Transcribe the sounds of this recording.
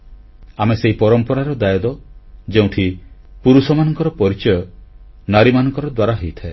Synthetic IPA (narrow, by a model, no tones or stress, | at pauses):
ameseɦipɔɾɔmpɔɾaɾɔd̪ajɔd̪ɔd͡ʒeũʈʰipuɾusɔmanɔŋkɔɾɔpɔɾit͡ʃɔjɔ | naɾimanɔŋkɔɾɔd̪waɾaɦejt̪ʰae